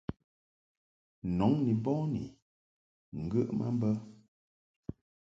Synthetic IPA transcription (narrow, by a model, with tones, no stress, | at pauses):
nɔ˨˦ŋni˨bɔ̃˦nḭ˨ | ŋ̩˨ɡə˦ʔmʔa̰˦mbə˦